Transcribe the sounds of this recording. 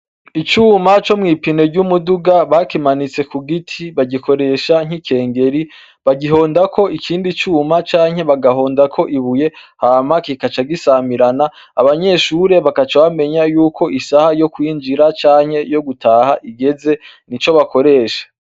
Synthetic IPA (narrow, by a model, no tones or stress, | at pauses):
it͡ʃuːmat͡ʃo̞mŋiːpineɾɟumuduɡaβakimanit͡se̞kuɡitʰiβaɟikʰo̞ɾe̞ʃaŋ̥ikʰe̞ːŋɡe̞ɾi | βaɡiɦo̞ːndakʰo̞ikʰiːndit͡ʃuːmat͡ʃaːŋhe̞βaɡaɦo̞ːndakʰo̞ʔiβuje̞haːmakikat͡ʃaɡisamiɾanaː | βaɲe̞ʃuɾe̞βakat͡ʃaβame̞ɲajuːkʰo̞ʔisahajo̞kwiːnd͡ʒiɾat͡ʃaːŋ̥he̞jo̞ɡutʰaːhaʔiɡe̞ze̞ | nit͡ʃo̞βako̞ɾe̞ːʃḁ